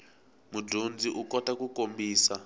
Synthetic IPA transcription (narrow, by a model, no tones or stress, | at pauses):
mudʱund͡ziʔukɔtakukombiːsa